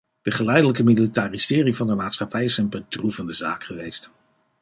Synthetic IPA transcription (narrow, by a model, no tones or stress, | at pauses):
d̥əχəlɛjdələkəmilitaːrisɪːrɪŋvɑndəmaːtsχɑpɛjɪsənbədrufəndəza̰ːkχəʋejst